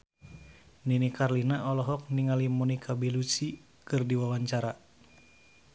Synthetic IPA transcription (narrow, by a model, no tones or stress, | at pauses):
ninikarlinaɔlɔɦɔk̚niŋalimɔnikʰabilusi | kɨrdiwawaɲt͡ʃaɾa